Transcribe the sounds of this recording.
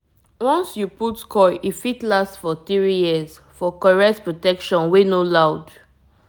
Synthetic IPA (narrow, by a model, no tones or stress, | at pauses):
wɔ̃nsjuputkʰɔjʔifitlastfɔθɹijiz | fɔkɔɹɛk̚tpɹotɛkʃɔ̃nwenolaʊd